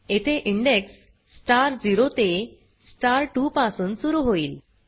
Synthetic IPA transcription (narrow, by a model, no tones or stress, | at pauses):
et̪ʰeʔiɳɖeksː | ʈaɾd͡ziɾot̪e | sʈaɾʈupasuːnsuɾuɦoiːl